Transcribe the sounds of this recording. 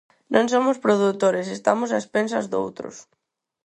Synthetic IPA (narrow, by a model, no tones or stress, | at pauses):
nõŋsomʊspɾoðut̪oɾesest̪amʊs̬aespens̬ɐzðo̰wt̪ɾʊ̰s